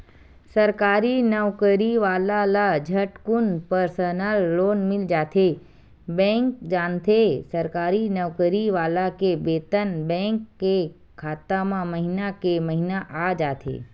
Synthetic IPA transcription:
səɾkaːɾinəʋkəɾiʋaːlalad͡ʒʱəʈkʊnpəɾsənəlːoːnmɪld͡ʒaːt̪ʰe | bɛ̃ːŋk̚d͡ʒaːnt̪ʰesəɾkaːɾinəʋkəɾiʋaːlakebeːt̪ənbɛ̃ːŋkːe | kʰaːt̪amãməɦinakeməɦinaʔad͡ʒaːt̪ʰḛː

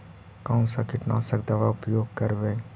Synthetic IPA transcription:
kaʊ̃sakɪʈnaːsɐkd̪ɐʋaʊpjoːɡ̚kɐɾʋeː

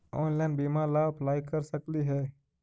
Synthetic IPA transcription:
ɔ̰ːnlɛ̃nbiːmalapʰlaːikəɾsəkliɦɛː

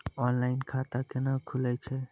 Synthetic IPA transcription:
ɔnlainkʰat̪akenakʰulɛt͡ʃʰɛ

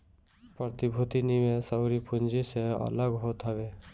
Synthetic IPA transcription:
pɾɔt̪ibʱut̪inimesəwɾipund͡ʒiseə̰ləɡɦot̪ɦɔbe

